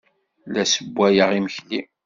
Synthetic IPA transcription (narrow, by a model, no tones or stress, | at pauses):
læsəbʷːæjəʁiməçli